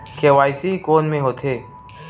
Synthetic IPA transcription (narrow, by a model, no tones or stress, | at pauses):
kʰeʋaːisiikoːnmẽɦoːt̪ʰeː